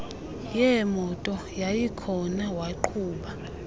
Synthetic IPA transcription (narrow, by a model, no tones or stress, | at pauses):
jɛmɔtʼɔ | jajikʰɔnawaǃʰuːɓa